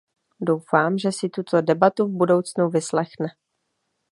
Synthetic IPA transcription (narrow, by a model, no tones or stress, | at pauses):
do̞wfaːmʒɛsɪt̪ut̪odɛbat̪uvbudo̞wt͡snuvɪslɛxnɛ